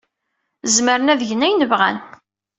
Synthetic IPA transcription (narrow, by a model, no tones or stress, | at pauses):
zməɾənæðʝənæjnəvʁæ̰n